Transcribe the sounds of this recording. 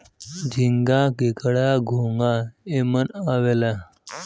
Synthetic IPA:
d͡ʑʱiŋɡakekɽaɡʱoŋɡaemənaʋela

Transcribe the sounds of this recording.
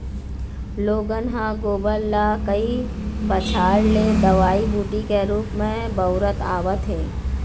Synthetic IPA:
loːɡənɦãɡoːbəlːakəi | bət͡ʃʰaːɽled̪ɐʋaːibuːʈikeɾuːpmẽ | bəʊɾət̪a̰ːʋət̪ɦẽː

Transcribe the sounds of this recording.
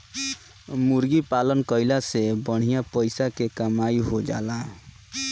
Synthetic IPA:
muɾɡipalənkəɪlasebəɽ̤̃ijapəɪsakekəmaiɦod͡ʒa̰ːla

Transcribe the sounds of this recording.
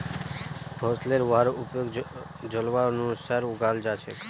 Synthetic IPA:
pʰɔɾsleɾʋaɾupjoɡ | d͡ʒəlʋanũsəɾuɡald͡ʒat͡ʃʰe

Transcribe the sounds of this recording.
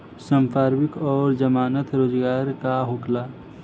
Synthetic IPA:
sə̃mpʰaːɾmɪkɔːɾd͡ʒəmaːnət̪ɾoːd͡ʒɡaːɾkaɦoklaː

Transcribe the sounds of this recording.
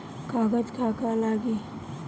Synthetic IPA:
kaɡəd͡ʒkakalaɡi

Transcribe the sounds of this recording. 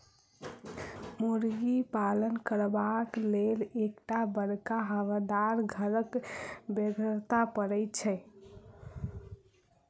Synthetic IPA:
muɾɡipalənkəɾbaklelekʈabəɽkaɦəʋad̪aɾɡʱəɾəkbeɡəɾt̪apəɾɛɪt͡ʃʰɛ

